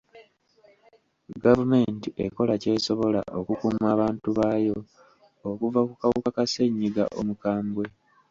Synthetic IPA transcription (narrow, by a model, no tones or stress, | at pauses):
ɡavume̞ntie̞̰ko̞lace̞ːso̞βo̞la̰ʔo̞kukumaːβaːntuβaːjo̞ː | kuvakukawukakase̞ɲːiɡa̰ʔo̞mukaːmbwe̞